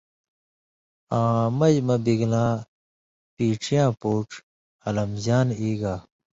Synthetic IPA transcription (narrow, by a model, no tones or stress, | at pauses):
ãːmɐd͡ʑmɐbiɡlãː | piːʈ͡ʂʰijãːpoːʈ͡ʂ | ɐlɐmzaːniːɡaː